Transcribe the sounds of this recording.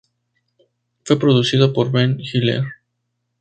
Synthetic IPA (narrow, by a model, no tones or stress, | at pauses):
fwe̞pɾoðusiðopoɾβenxilḛɾ